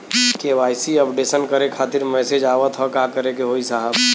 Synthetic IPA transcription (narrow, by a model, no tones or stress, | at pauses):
keʋaːjsiəpɖesənkəɾekʰaːt̪ɪɾmɛːsed͡ʒaːʋət̪ɦɔkakəɾekeɦoisaɦəb